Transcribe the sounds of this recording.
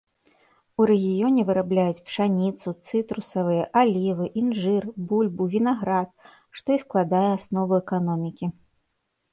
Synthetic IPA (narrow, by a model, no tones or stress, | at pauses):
uɾɛɣʲijɔnʲɛvɨɾablʲajut͡sʲpʂanʲit̪sut̪sɨt̪ɾusɐvɨjɛʔalʲivɨʔinʐɨrbulʲbuvʲinaɣɾat̪̚ | ʂt̪ɔisklˠad̪ajɛasnɔvɨɛkanɔmʲikʲi